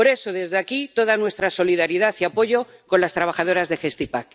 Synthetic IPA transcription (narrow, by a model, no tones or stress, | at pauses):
po̞ɾe̞so̞ðe̞zðeakit̪o̞ð̞anwe̞st̪ɾaso̞liðaɾiðaθiapo̞ʝo̞ko̞nlast̪ɾaβ̞axað̞o̞ɾazðe̞xest̪ipak